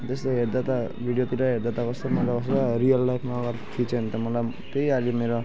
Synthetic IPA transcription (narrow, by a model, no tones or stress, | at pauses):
t̪est̪oɦeɾd̪at̪a | bʱiɽijot̪iɾaɦeɾd̪at̪akʌst̪omʌlakʌsɾʌɾijʌlːajpʰmaːɡʌɾt̪ʰit͡sʰʌnit̪ʌmʌlaj | t̪ejalimeɾo